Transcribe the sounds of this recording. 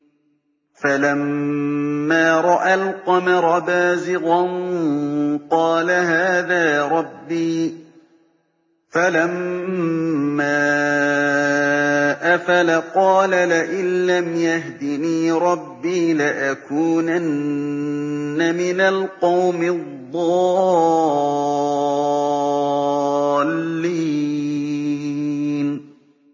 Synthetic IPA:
falamː | aːɾˤɑʔalqɑmɑɾˤɑbaːzɪɣɑn | qɑːlahaːðaːɾˤɑbːiː | falam | aː | ʔafalaqɑːlalɪʔɪnlamjahd̪ɪniːɾˤɑbːiːlɪʔakuːnan | amɪnalqɑwmɪððˤːɑː | lːi | n

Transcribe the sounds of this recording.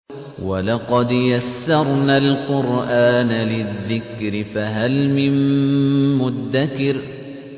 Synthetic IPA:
walɑqɑd̪jasːɑɾˤnaːlqʊɾʔaːnalɪðːɪkɾɪfaɦalmɪmː | ʊd̪ːakɪɾ

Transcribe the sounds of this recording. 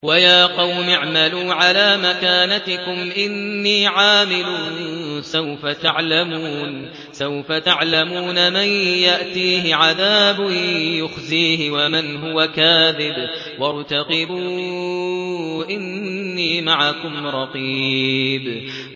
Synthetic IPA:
wajaːqɑwmɪʕmaluːʕalaːmakaːnat̪ɪkʊmʔɪnːiːʕaːmɪluːnsawfat̪aʕlamuːn | sawfat̪aʕlamuːnamanjaʔt̪iːhɪʕaðaːbʊjʊxziːɦɪwamɪnɦʊwakaːðɪb | wɑɾˤt̪aqɪbuː | ʔɪnːiːmaʕakʊmɾˤɑqiːb

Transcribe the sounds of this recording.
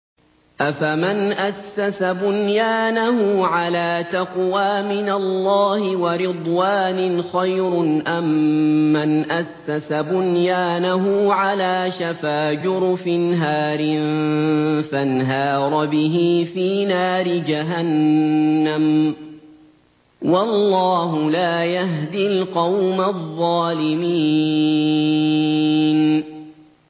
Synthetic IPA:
ʔafamanʔasːasabʊnjaːnahʊʕalaːt̪aqwaːmɪnalːɑːhɪwɑɾɪd̪ˤwaːnɪnxajɾʊnʔamːanʔasːasabʊnjaːnaɦʊʕalaːʃafaːd͡ʒʊɾfɪnɦaːɾɪn | fanɦɑːɾˤɑbɪɦiːfiːnaːɾɪd͡ʒaɦanː | am | wɑlːɑːɦʊlaːjaɦd̪ilqɑwmaðˤːɑːlɪmiː | n

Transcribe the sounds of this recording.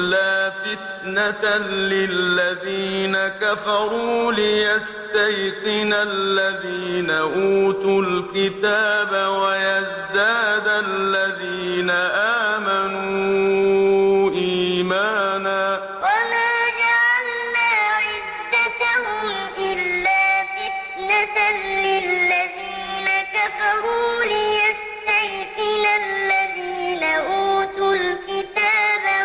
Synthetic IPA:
lːaːfɪt̪ | nat̪alɪlːaðiːnakafɑɾˤuːlɪjast̪ajqɪnalːaðiːnaʔuːt̪ʊlkɪt̪aːbawajaz | d̪aːd̪alːaðiːnaʔaːmanuː | ʔiːmaːnaː | wamaːd͡ʒaʕalːaːʕɪd̪ːat̪aɦʊmʔɪlːaːfɪt̪ | nat̪nlɪlːaðiːnakafɑɾuːlɪjas | t̪ajqɪnallːaðiːnaʔuːt̪ʊlkɪt̪aːba

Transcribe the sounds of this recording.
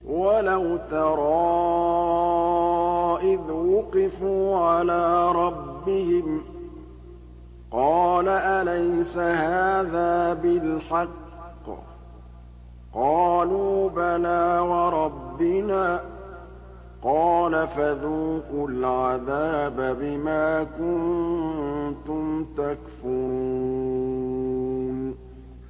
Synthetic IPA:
walawt̪ɑɾˤɑː | ʔɪðwʊqɪfuːʕalaːɾˤɑbːɪhɪm | qɑːlaʔalajsahaaːðaːbɪlħɑqː | qɑːluːbanaːwɑɾˤɑbːɪnaː | qɑːlafaðuːqʊlʕaðaːbabɪmaːkʊn | t̪ʊmt̪akfʊɾuu | n

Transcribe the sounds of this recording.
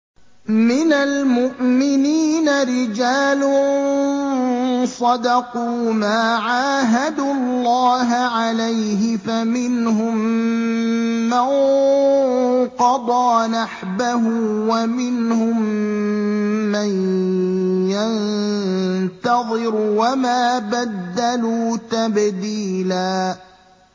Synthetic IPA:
mɪnalmʊʔmɪniːnaɾɪd͡ʒaːlʊ | sˤɑd̪ɑquːmaːʕaːɦad̪uːɑlːɑːɦʕalajɦɪfamɪnɦʊm | aŋ | qɑd̪ˤɑːnaħbaɦʊwamɪnhʊm | an | jan | t̪ɑðˤɨɾwamaːbad̪ːaluːt̪abd̪iːlaː

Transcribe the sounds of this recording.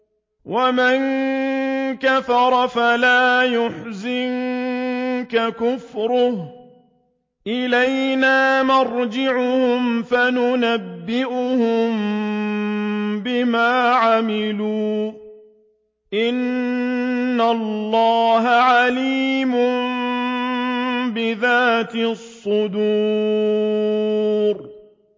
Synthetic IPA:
waman | kafɑɾˤɑfalaːjʊħzɪn | kakʊfɾʊh | ʔɪlajnaːmɑɾˤd͡ʒɪʕʊhʊmfanʊnabːɪʔʊhʊm | bɪmaːʕamɪluː | ʔɪnː | alˤːɑːɦaʕaliːmʊm | bɪðaːt̪ɪsˤːʊd̪uː | ɾ

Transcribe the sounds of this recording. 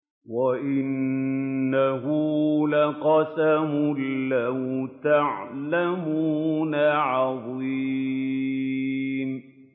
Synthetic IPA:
waʔɪnː | aɦʊlaqɑsamʊlːaht̪aʕlamuːnaʕɑðˤiː | m

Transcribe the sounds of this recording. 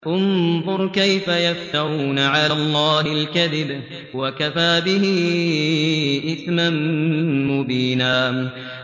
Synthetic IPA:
ʔʊnðˤʊɾˤkajfajaft̪aɾuːnaʕalaʔlˤːɑːhɪlkaðɪb | wakafaːbɪhɪ | ʔɪθmanmʊbiːnaː

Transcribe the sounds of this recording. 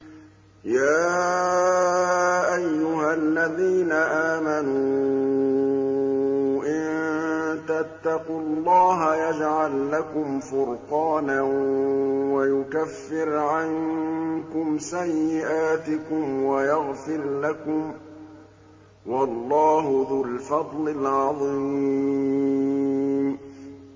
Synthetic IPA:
jaː | ʔajːʊhalːaðiːnaʔaːmanuː | ʔɪn | t̪at̪ːɑqʊlˤːɑːɦajad͡ʒʕalːakʊmfʊɾqɑːna | wajʊkafːɪɾʕaŋkʊmsajːɪʔaːt̪ɪkʊmwajaɣfɪɾlakʊm | wɑlˤːɑːɦʊðʊlfɑd̪ˤlɪlʕɑðˤiː | m

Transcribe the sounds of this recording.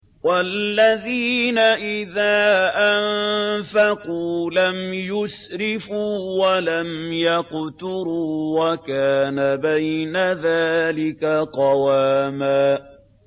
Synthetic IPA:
walːaðiːnaʔɪðaːʔamfaquːlamjʊsɾɪfuːwalamjaqt̪ʊɾuːwakaːnabajnaðaːlɪkaqɑwaːmaː

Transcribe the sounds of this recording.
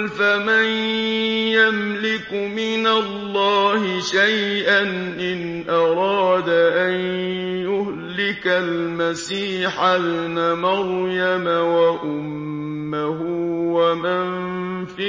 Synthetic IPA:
faman | jamlɪkmɪnalːɑːhɪʃajʔanʔɪn | ʔɑɾˤɑːd̪aʔanjʊh | lɪkalmasiːħabnamɑɾˤjamawaʔʊmː | ahʊwaman | fi

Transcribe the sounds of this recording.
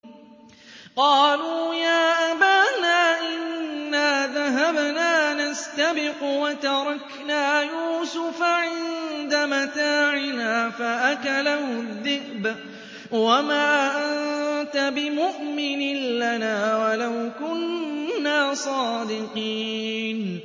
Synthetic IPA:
qɑːluːjaːʔabaːnaːʔɪnːaːðaɦabnaːnast̪abɪqʊwat̪ɑɾˤɑk | naːjuːsʊfaʕɪnnd̪amat̪aːʕɪnaːfaʔakalahʊðːɪhb | wamaːʔant̪abɪmʊʔmɪnɪnlanaːwalawkʊnːaːsˤɑːd̪ɪqiːn

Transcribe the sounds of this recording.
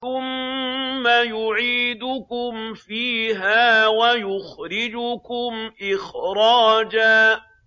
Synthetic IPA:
θʊmː | ajʊʕiːd̪ʊkʊmfiːɦaːwajʊxɾɪd͡ʒʊkʊmʔɪxɾˤɑːd͡ʒaː

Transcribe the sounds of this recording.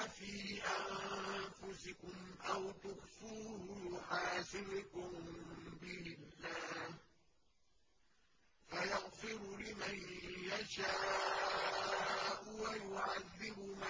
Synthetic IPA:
afiːʔanfʊsɪkʊmʔawt̪ʊxfuːhʊjʊħaːsɪbʊkʊmbɪlːaːh | fajaɣfɪɾʊlɪmanjaʃaː | ʔʊwajʊʕaðːɪbʊma

